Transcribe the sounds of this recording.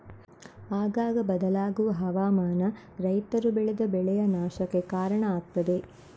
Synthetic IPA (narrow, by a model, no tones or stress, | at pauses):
aːɡaːɡɐbɐd̪ɐlaːɡuʋɐɦɐʋaːmaːnɐ | ɾɐjt̪ɐɾubeɭed̪ɐbɛɭɛjɐnaːʃɐkːekaːɾɐɳɐaːk̚t̪ːɐd̪e̞